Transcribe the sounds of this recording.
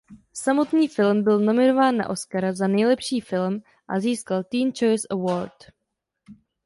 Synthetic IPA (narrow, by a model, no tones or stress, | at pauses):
samo̞t̪ɲiːfɪlmbɪlno̞mɪno̞vaːnːa̰ʔo̞skaɾazanɛjlɛpʃiːfɪlm | ʔa̰ziːskalt̪iːnt͡ʃo̞jsʔɛwoɾt